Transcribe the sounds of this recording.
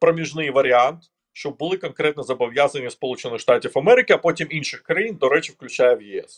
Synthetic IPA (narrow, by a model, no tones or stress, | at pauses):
pɾəmʲɪʐnɨjvəɾʲɪant̪ɨ | ʂt̪ob̚bɨlˠɨkɐnkɾʲet̪nəzəbɐvʲjazənʲɪjəspɐlˠut͡ɕɪnːɨxʂt̪atʲɪfɐmeɾʲɪkʲɪɐpotʲeminʲʂɨxkɾɐind̪oɾet͡ɕɪfklʲʉt͡ɕæjəvjɪɛ̰s